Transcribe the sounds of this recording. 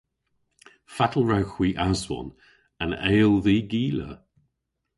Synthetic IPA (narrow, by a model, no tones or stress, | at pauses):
fatʰəl̩ˠɹawxw̥iːʔazwɔ̰n | əneːlˠðiːɡiːlə̰